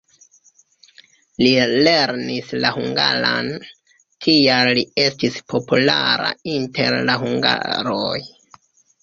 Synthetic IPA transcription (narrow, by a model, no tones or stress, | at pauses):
lile̞ɾnislahuŋɡalan | tʰialːie̞stispʰo̞pulaɾa̰inte̞ɾlaɦuŋɡa̰ɾoj